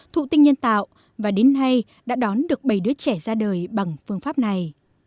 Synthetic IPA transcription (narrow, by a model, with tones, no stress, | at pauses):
t̪ʰṵ˧˨t̪ï˧ŋɲə˧nt̪a̰ː˧˨wʔ | vaː˨˩ɗe˨˦nɦa˧j | ɗa̰ː˧˥ɗɔ˨˦nɗɨ˨˩ək̚ɓə˧˩jɗɨ˨˦ət͡ɕɛ˧˩zaː˧ɗəː˨˩jɓa˨˩ŋfɨ˧əŋfaː˦˥p̚na˨˩j